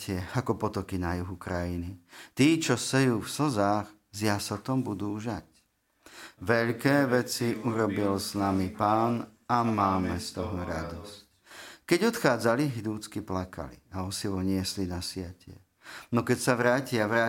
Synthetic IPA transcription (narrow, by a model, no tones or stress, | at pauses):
cɪɛakɔpɔt̪ɔkinajuɦukɾajinit̪iːt͡ʃɔsɛjuːfsɔzaːx | zjasɔt̪ɔmbud̪uːʒac | ʋɛʎkɛːʋɛt͡siʔuɾɔbilsnamipaːnamaːmɛst̪ɔɦɔɾad̪ɔsc̚ | kɛɟɔt̪xaːd͡zaliɦid̪uːt͡skiplakʰa̰lḭaɔsiʋɔɲɪɛslinasɪacɪɛ̰ | nɔkɛcsaʋɾaːcɪaʋɾaː